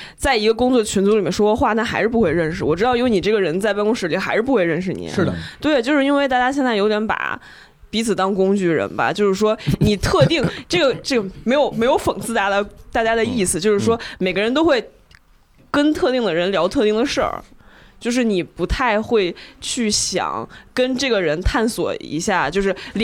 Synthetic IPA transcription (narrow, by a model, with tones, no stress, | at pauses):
t͡sa˥˩ɪi˧˥ɡə˧kʊ˥ŋt͡swɔ˥˩ə˩t͡ɕʰy˧˥nt͡su˧˥li˨˩mjɛ˥n˩ʂwɔ˥kwɔ˥˧xwa˥˩na˥˩xa˧˥ɪʂɻ̩˥˩pu˧˥xwe˥˧ɪɻə˥˩nʂɻ̩˩wɔ˨˩ʈ͡ʂɻ̩˥ɑ˥˩ʊi˥wni˨˩ʈ͡ʂɤ˥˩ɡə˩ɻə˧˥nt͡sa˥˧ɪpa˥˧ŋkʊ˥ŋʂɻ̩˧˥i˨˩˥xa˧˥ɪʂɻ̩˥pu˧˥we˧ɻə˥˩˧nʂ̬ɻ̩˨˩nḭ˨˩˦t̪we˥˩ɪt͡ɕjʊʂɻ̩˥˧i˥nwe˥˧ɪt̪a˥˩t͡ɕja˥ɕjɛ˥˧nt͡sa˥˩jo˧˥ʊt̪jɛ˧˥npa̰˨˩ | pi˧˥t͡sʰɹ̩˨˩t̪ɑ˥ŋkʊ˥ŋt͡ɕy˥˩ɻə̰˧˥nbɐ̰˧˦t͡ɕjo˥˧ʊʂɻ̩˥˩ʂwɔ˥ni˨˩t̪ʰɤ˥˧t̪i˥˩ŋʈ͡ʂɤ˥˩ɡə˩ʈ͡ʂɤ˥˩ɡə˩me˧˥ɪjo˧˩ʊme˧˥ɪjo˧˥ʊfə˨˩ŋsɹ̩˥˧t̪a˥˩˥t̪a˥˩t͡ɕja˥d̪ə˨i˥˩sɹ̩˨˩t͡ɕjo˥˧ʊʂɻ̩˥˩ʂwɔ˥me˨˩ɪɡə˦ɻə˧nt̪o˥ʊxwe˥˩ɪ | kə˥nt̪ʰɤ˥˧t̪i˥˩ŋd̪ə˩ɻə˧˥nljɑ˧˥ʊt̪ʰɤ˥˧t̪i˥˩ŋd̪ə˩ʂə̰˥˩t͡ɕjo˥˧ʊʂ̬ɻ̩˥˩ni˨˩pu˧˥t̪ʰa˥˧ɪxwe˥˧ɪt͡ɕʰy˥˩ɕjɑ̰˨˩˦ŋkə˥nʈ͡ʂɤ˥˩ɡə˩ɻə˧˥nt̪ʰa˥˩nswɔ̰˨˩ḭ˧˥ɕja˥˩t͡ɕjo˥˧ʊʂɻ̩˥˩l